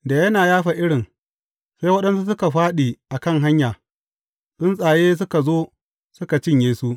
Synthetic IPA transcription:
da˨jɐ˦naː˨jaː˦ɸa˨ʔɪ˦ɽɪ˨ŋ | sa˦jwɐ˦ɗɐ˦nsu˦s̬ʊ˦ka˨ɸaː˦ɗiː˨ʔa˨kɐ˦˨ŋɦa˦ɲjaː˨ | sʊ˦nsʼaː˨jeː˦s̬ʊ˦ka˨zoː˦ | sʊ˦ka˨t͡ʃɪ˦ɲjeː˦su˦ʔ

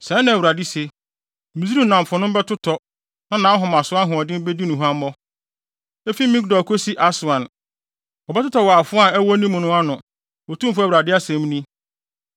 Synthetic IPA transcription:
sɛ̃˨˦nã˨wu˨ɾa˨di˦se˨ | mĩ˨zi˦ɾi˦˨nã˨m˨fʊ˨nʊ̃˦m˦bɛ˦tʰʊ˦tʰɔ˨ | nã˦nãː˨˦ɦʊ̃˨m˨ã˨sʊ˦a˦nɦʊ̃˨ɔ˨dɪ̃˦m˦be˦di˦nʊ̃˨ɦu˦ã˦m˦mɔ˦ | e˦fi˦mĩ˦k̚dɔ˨kʰo˦si˦ʔa˦sʊ˨ã˨n | ɔ˨bɛ˦tʰʊ˦tɔ˨wɔ˨a˨fʊ˦a˦˨ɛ˦wɔ˦nĩ˦mʊ̃˨nʊ̃˦a˦nʊ̃˨ | ɔ˨tʰũ˦m˦fʊ˦˨wuɾa˨dɪ˦a˦sɛ̃˨m˦nĩ˦

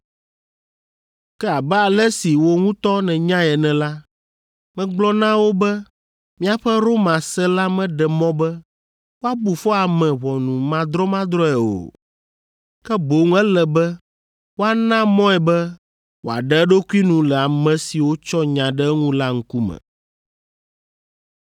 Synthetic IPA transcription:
kɛ˦a˨bɛ˦a˨lɛ˦si˨wo˦ŋũ˦t̪ɔ˦nɛ̃˨ɲã˦ɛ˨nɛ̃˨la˦ | mɛ̃˦ɡ͡blɔ˦nã˦wo˦bɛ˦ | mĩ˦a˨ɸɛ˦ɾo˦mã˨sɛ˦la˦mɛ̃˦ɖɛ˨mɔ̃˦bɛ˦ | wo˦a˦bu˨fɔ˦a˨mɛ̃˨βɔ˨nũ˨mã˦d̪ɾɔ˦mã˦d̪ɾɔ˦ɛ˨o̰˨ | kɛ˦bo˨ŋ˦ɛ˦lɛ˨bɛ˦ | wo˦a˨nã˦mɔ̃˦ɛ˨bɛ˦ | wo˨a̰˨ɖɛ˦ɛ˦ɖo˦ku˦i˦nũ˨lɛ˨a˨mɛ̃˨si˨wo˦t͡ʃɔ˦ɲã˨ɖɛ˦ŋũ˦la˦ŋ̩˦ku˦mɛ̰̃˨

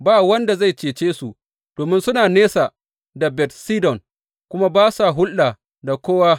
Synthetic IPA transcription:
baː˦˨wɐ˦nda˨za˦˨jt͡ʃeː˨t͡ʃeː˦su˨ | d̥oː˨mɪ˦nsʊ˦naː˨neː˦sa˨ | da˨bɛ˨tsiː˦dɔ˨ŋ | kʷʊ˦ma˦baː˦sa˨ɦʊ˦lʔa˨ | da˨kʷoː˦waː˦

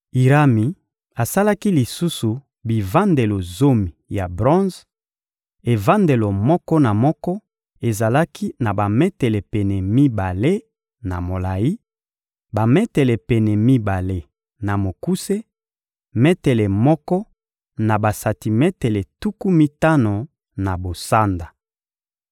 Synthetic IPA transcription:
i˨ʁa˦mi˨ | a˨sa˦la˦ki˦li˨su˦su˨ | bi˨va˦nde˨lo˨zo˦mi˨ja˨bʁɔ̃˦z | e˨va˦nde˨lo˨mɔ˦kɔ˦na˨mɔ˦kɔ˦ | e˨za˨la˦kʰi˦na˨ba˨me˦tɛ˨le˨pɛ˨nɛ˨mi˦ba˨le˦ | na˨mo˨la˨ji˦ | ba˨mɛ˦tɛ˨le˨pɛ˨nɛ˨mi˦ba˨le˦ | na˨mo˨ku˦se˦ | mɛ˦tɛ˨le˨mɔ˦kɔ˦ | na˨ba˨sa˨ti˨mɛ˦te˨le˨tu˦ku˦mi˦ta˦no˨ | na˨bo˨sa˦nda˨

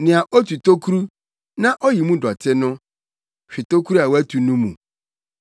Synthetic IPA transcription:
nɪ̃˨a˨ʔo˦tʰu˨to˦kʰu˦ɾu˦ | nã˦ʔɔ˦ji˨mũ˦dɔ˨tʰɪ˦nʊ̃˦ | ɕᶣɪ˨to˦kʰu˦ɾu˦a˨wæ˦tʰu˨nũ˦mũ˨

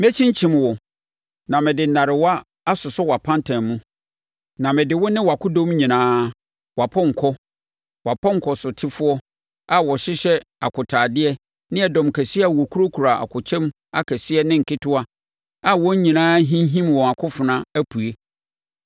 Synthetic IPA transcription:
mɛ˦t͡ɕʰĩ˦ɲ˦t͡ɕʰĩ˨mwɔ˨ | nã˨mɪ̃˨dɪ˨nːã˨ɾɪ˨wa˦ | a˦sʊ˨sʊ˦wa˨pʰã˦ntʰã˨nmũ˦ | nã˨mɪ̃˨dɪ˨wɔ˦nɪ̃˦wa˨kʊ˦dõ˦m˦ɲĩ˨nãː˦ | wa˨pʰɔ̃˦ŋ̩˨kʰɔ˦ | wa˨pʰɔ̃˦ŋ̩˨kʰɔ˨sʊ˨tʰɪ˦fʊ˦ɔ˦ | a˦wɔ˨ɕɪ˦ɕɛ˦a˨kʰʊ˨tʰaː˨dɪ˦ɛ˦ | nɪ̃˦ɛ˨dɔ̃˨mkʰæ˨si˦ɛ˦a˨wɔ˨kʰu˦ɾo˦kʰu˨ɾa˨a̰˨kʰʊ˨t͡ɕʰɛ̃˦m | a̰˦kʰæ˨sɪ˦ɛ˦nɪ̃˦ŋ̩˨kʰɪ˦tʰʊ˦a˦ | a˦wɔ̃˦ɲ˦ɲĩ˨nãː˦ɦĩ˦ɦĩ˦mwɔ̃˨a˨kʰʊ˦fʊ˨nã˦æ˦pʰu˨e˦

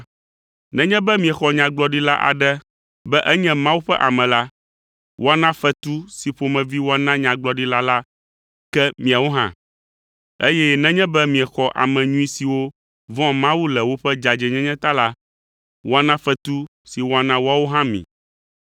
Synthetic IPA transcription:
nɛ̃˦ɲɛ̃˦bɛ˦mĩ˨ɛ˨xɔ˨ɲã˨ɡ͡blɔ˦ɖi˦la˦ʔa̰˨ɖɛ˦ | bɛ˦ʔɛ˦ɲɛ̃˦mã˦wu˦ɸɛ˦ʔa˨mɛ̃˨la˦ | wʔo˦a˨nã˦fɛ˦t̪u˦si˨ɸo˨mɛ̃˨vi˦wo˦a˦nã˦ɲã˨ɡ͡blɔ˨ɖi˦la˦la˦ | kɛ˦mĩ˨a˨wo˦ɦã̰˦ | e˦jɛ˦nɛ̃˦ɲɛ̃˦bɛ˦mĩ˨ɛ˨xɔ˨ʔa̰˨mɛ̃˨ɲũ˦ĩ˦si˨wo˦ | vɔ̃˦mã˦wu˦lɛ˨wo˦ɸɛ˦d͡ʒa˨d͡ʒɛ˨ɲɛ̃˦ɲɛ̃˦t̪a˦la˦ | wo˦a˨nã˦fɛ˦t̪u˦ | si˨wo˦a˨nã˦wo˦a˦wo˦ɦã˦mḭ̃˨

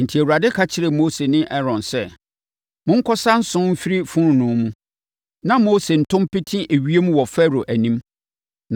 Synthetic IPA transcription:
n̩˨tʰi˨æ˨wu˨ɾa˨dɪ˦kʰa˦t͡ɕʰɪ˦ɾɪ˨moː˦se˨nɪ̃˦ʔɛ˦ɾɔ̃˨nsɛ˦ | mʊ̃˦ŋ̩˦kʰɔ˦sã˦n̩˦sʊ̃˦m̩˦fi˦ɾi˦fʊ̃˦ɾnʊ̃˨mũ˦ | nã˦moː˦se˨n̩˨tʰʊ̃˦mpɪ˦tʰĩ˦ʔe˨ɥi˦e˦mũ˦wɔ˨fɛ˦ɾo˨ʔæ˨nĩ˦m

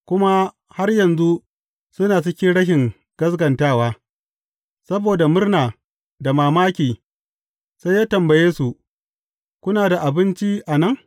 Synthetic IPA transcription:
kʷʊ˦ma˦ | ha˦rjɐ˨nzu˦ | sʊ˦naː˨sɪ˦kʲi˦ɽɐ˦ʃ̬ɪ˨ŋ | ɡ̥ɐ˦s̬ɡɐ˨ntaː˦˨waː˦ | sɐ˦boː˨da˨mʊ˦rnaː˨ | da˨maː˨maː˦kʲiː˨ | sa˦jaː˦tɐ˨mbɐ˨jeː˦su˨ʔ | kʷʊ˦naː˨da˨ʔa˨bɪ˦nt͡ʃi˦ʔa˨nɐ˦˨ŋ

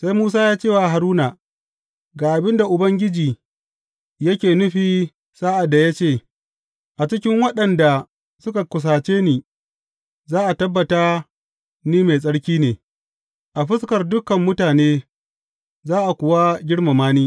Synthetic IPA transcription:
sa˦jmuː˦s̬aː˦jaː˦t͡ʃeː˦˨wa˨ɦa˨ɾuː˦na˨ | ɡaː˨ʔa˨bɪ˦nda˨ʔʊ˨bɐ˦ŋɡʲɪ˦d͡ʒiː˨ | jɐ˦kʲeː˨nʊ˦ɸiː˨ | saː˦ʔa˨dːa˨ja˦t͡ʃeː˦˨ | ʔa˨t͡ʃɪ˦kʲɪ˦ŋwɐ˦ɗɐ˨nda˨ | sʊ˦ka˨kʷʊ˨s̬aː˨t͡ʃeː˦niː˦˨ | zaː˦ʔa˨tɐ˦bːɐ˨taː˦ | niː˦me˨s̬ʼɐ˦ɽkʲiː˦neː˨ | ʔa˨ɸɪ˦skɐ˨rdʊ˦kɐ˨mːʊ˦taː˨neː˦ | zaː˦ʔa˨kʷʊ˨wa˦ɡʲɪ˦ɽma˨maː˦niː˦

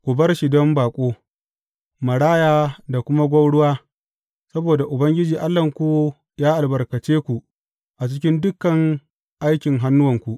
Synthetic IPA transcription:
kʷu˨bɐ˦rʃi˨dɔ˦mbaː˨kʷʼoː˦ | mɐ˨ɽaː˦jaː˦da˨kʷʊ˦ma˦ɡʷɐ˦wɽʊ˦waː˦ | sɐ˦boː˨da˨ʔʊ˨bɐ˦ŋɡʲɪ˦d͡ʒiː˨ʔa˦lːɐ˨ŋkʷuː˦ | jaː˦ʔa˨lbɐ˨rkɐ˨t͡ʃeː˦kʷu˨ | ʔa˨t͡ʃɪ˦kʲɪ˦ndʊ˦kːɐ˨ŋ | ʔa˦jkʲɪ˨ŋɦa˦nːʊ˦wɐ˨ŋkʷu˨ʔ

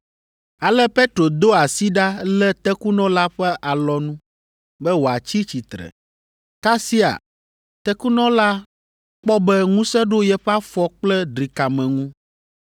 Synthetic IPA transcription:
a˨lɛ˦pe˦t̪ɾo˨d̪o˦a˨si˦ɖa˦lɛ˦t̪ɛ˦ku˦nɔ̃˦la˦ɸɛ˦ʔa˨lɔ˦nũ˦ | bɛ˦wo˨a˨t͡ɕi˦t͡ɕi˨t̪ɾɛ̰˨ | ka˦si˦a̰˨ | t̪ɛ˦ku˦nɔ̃˦la˦ | k͡pɔ˦bɛ˦ŋũ˦sɛ˦ɖo˦jɛ˦ɸɛ˦a˦fɔ˦k͡plɛ˦ɖɾi˨ka˨mɛ̃˨ŋũ˦

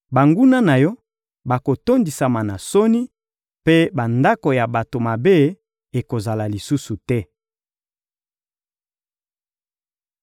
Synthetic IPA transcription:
ba˨ŋɡu˦na˦na˨jɔ˦ | ba˨ko˨to˦ndi˨sa˨ma˨na˨so˦ni˦ | pe˦ba˨nda˦ko˨ja˨ba˨to˨ma˨be˦ | e˨ko˨za˨la˨li˨su˦su˨tɛ˦

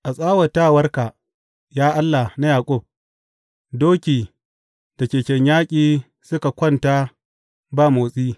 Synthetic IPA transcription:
ʔa˨sʼaː˦wɐ˨ta˦˨wɐ˦rka˨ | jaː˦ʔa˦lːa˨na˦jaː˨kʷʼʊ˦˨b̚ | doː˦kʲiː˨ | d̥a˨kʲeː˨kʲɛ˨ɲjaː˦kʲʼiː˨ | sʊ˦ka˨kʷɔ˦˨nta˦ | baː˦˨moː˨sʼiː˦

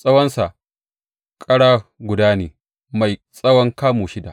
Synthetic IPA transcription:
sʼɐ˦wɐ˦nsa˨ʔ | kʼɐ˦ɽaː˦ɡʷʊ˨daː˦neː˨ | ma˨jsʼɐ˦wɔ˦ŋkaː˦moː˨ʃɪ˦da̰˨

